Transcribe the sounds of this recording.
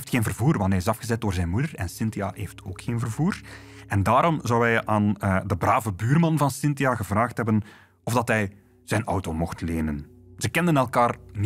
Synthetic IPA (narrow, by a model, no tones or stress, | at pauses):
ftxeːnvərvuːrʋɑntɦɛjɪsɑfɣəzɛt̚d̥oːrzɛjnmudərɛnsɪntia̰ɦeːftʰo̰ːkxeːnvərvuːr | ʔɛndaːɾɔmzɔwɛjaːnədəbraːvəbyːrmɑnvɑnsɪntiaɣəvraːxtɦɛbən | ɔvdɑtɦɛj | z̥ɛjnɔwtoːmɔxtleːnənz̥əkɛndənɛlˠkaːrm